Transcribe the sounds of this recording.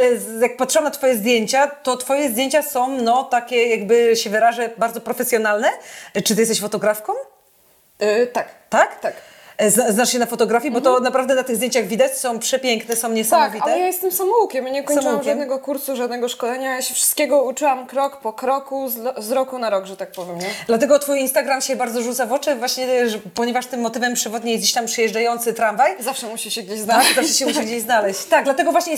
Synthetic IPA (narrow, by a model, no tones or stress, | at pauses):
jak̚pat̪ʂɨwamnat̪fɔjɛzd̪jeɲt͡ɕat̪ɔt̪fɔjɛzd̪ʲjeɲt͡ɕasɔ̃w̃nɔt̪akʲɛjaɡbɘɕɛvɘɾaʐɛbaɾd̪zɔpɾɔfɛsʲjɔnalnɛt͡ʂɨ̥t̪ɪjɛst̪ɛɕfɔt̪ɔɡɾafkɔ̃w̃ | t̪akt̪akt̪ak | znaznaʂɕɛnafɔt̪ɔɡɾafʲjibɔt̪ɔnapɾavd̪ɛnat̪ɨɣzd̪jẽɲt͡ɕaɣvʲid̪at͡ɕsɔ̃w̃pʂɛpʲjeŋknɛsɔ̃w̃ɲɛsamɔvitaɛjajɛst̪ɛmsamɔukʲɛmɲɛkɔɲssat͡ʃɔwuamkʐʲadmnɛɡɔkuɾsuʐad̪nɛɡɔʂkɔlɛɲaːjaɕɛfʂɨ̥st̪kʲɛɡɔut͡ʂɨwamkɾɔkpɔkɾɔkuzɔzɾɔkunaɾɔɡʐɛt̪ak̚pɔvʲjɛmɲɛd̪lat̪ɛɡɔt̪fujinst̪aɡɾamɕɛbaɾd̪zɔʐut̪savɔt͡ʂɛvwaɕɲɛʐpɔɲɛvaʂt̪ɘmːɔt̪ɘvɛmpʂɨvɔd̪ɲejɛzd͡ʑeɕt̪ampʂɨjɛʐd͡ʐajɔnt̪sɘt̪ɾamvajzafʂɛmuɕiɕɛɡd͡ʑeɕznakzaʂɛɕɛmuɕiɡd͡ʑeʑznalɛɕt͡ɕt̪aɡ̚d̪lat̪ɛɡɔvwaɕɲɛ